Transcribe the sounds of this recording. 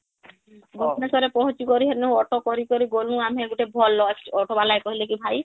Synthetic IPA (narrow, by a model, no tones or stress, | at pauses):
ɡɔnesɔɾepɔɦũt͡ʃikɔɾiɦenẽɔʈokɔɾikɔɾiɡolũamieɡuʈebʱɔlːɔɔʈʰobalaekɔɦilekibʱaj